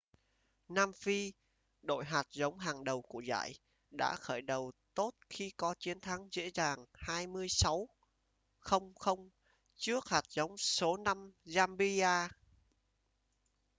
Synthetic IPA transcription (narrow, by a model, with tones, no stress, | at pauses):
naː˧mfi˧ | ɗo̰˧˨jɦaː˨˩t̚zə˨˦wŋ͡mɦaː˨˩ŋɗə˨˩wku˧˩əza̰ː˧˨j | ɗa̰ː˧˥xəː˧˩jɗə˨˩wt̪o˦˥t̚xi˧kɔ˨˦t͡ɕi˨˦ənt̪ʰa˨˦ŋzḛ˧˥zaː˨˩ŋhaː˧jmɨ˧əjsa˨˦w | xə˧wŋ͡mxə˧wŋ͡m | t͡ɕɨ˦˥ək̚haː˨˩t̚zə˨˦wŋ͡mso˨˦na˧mzaː˧mɓi˧aː˧